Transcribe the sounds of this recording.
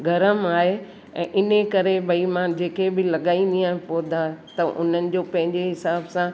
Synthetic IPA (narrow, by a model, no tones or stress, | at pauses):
ɡʱɐɾəmaːɦe | ɛ̰̃ːʔɪnekɐɾebʱɐimãd͡ʑeːkebɪlɐɠaːiniaːɦpoːd̪ʱat̪ɐʔʊ̰nənɪ̆d͡ʑoːpɐ̃ɦɪ̃ɲd͡ʑeɦɪsaːbsã